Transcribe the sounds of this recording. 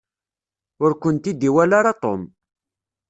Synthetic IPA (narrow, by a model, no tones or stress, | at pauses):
ʊɾkʷənt̪id̪iwælaɾat̪ˤo̰m